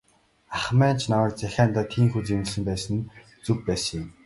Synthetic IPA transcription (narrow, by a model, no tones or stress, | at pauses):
aχmæːnt͡ɕʰnawə̆rt͡sæxʲaːnt̪aːt̪ʰiːmxut͡semɮsɘ̆mpæːsə̆n | t͡sɵkpæːsə̆ŋjʊm